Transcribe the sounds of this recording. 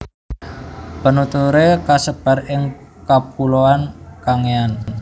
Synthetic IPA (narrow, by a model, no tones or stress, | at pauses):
b̥ə̤nut̪uɾekasəb̥a̤ɾɪŋkab̚uloankaŋean